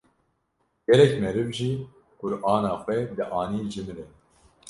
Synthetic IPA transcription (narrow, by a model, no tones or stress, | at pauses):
ɡ̥ɛlɛkmɛɾɨvʒiː | kʊɾʔɑːnɑːxʷɛd̪ɨʔɑːniːd͡ʒɨmɨɾɛ